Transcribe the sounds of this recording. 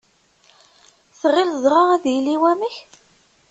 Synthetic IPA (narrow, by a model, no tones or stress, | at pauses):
θʁɪlzˤɾˤɑæðjilːiwæməç